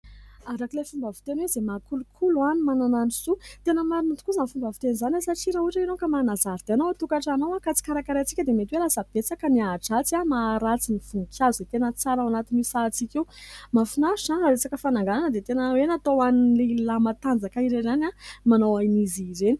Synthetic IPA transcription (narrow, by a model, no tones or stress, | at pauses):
aɾakilefumbavi̥t̪enwezemakulukʰuluanimanananizut̪enəmaɾinut̪u̥kuzanfumbavi̥t̪enzanasaʈ͡ʂiɾauʈ͡ʂainokamanazaɾd̪̥eanowat̪ukaʈ͡ʂanowakat͡si̥kaɾakaɾat͡si̥kʲəd̪emet̪iwelasəb̥et͡sakəniaʈ͡ʂat͡siamaːɾat͡sinifuŋkʰʲjazuzet̪enət͡saɾawanat̪inisat͡sikʲewmafunaisaaɾet͡sakəfanaŋɡananəd̪et̪enəwenat̪owanilelamat̪and͡zakaiɾeɾanamanowajniziɾeni̥